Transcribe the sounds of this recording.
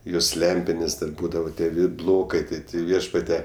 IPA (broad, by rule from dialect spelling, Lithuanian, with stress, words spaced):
ˈjoːs ˈlʲɛmʲpʲɪnʲeːs dɐr ˈbuːdɐʋoː ˈtʲiɛ ˈʋʲɪt ˈblˠoːkɐɪ ˈtɐɪ ˈtʲɪ ˈʋʲiɛʃpɐtʲɛ